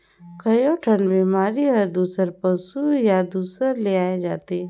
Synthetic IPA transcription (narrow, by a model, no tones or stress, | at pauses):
kʰəjoʈʰənbiːmaːɾiɦəd̪uːsəɾpəsujad̪uːsəɾleaːed͡ʒaːt̪e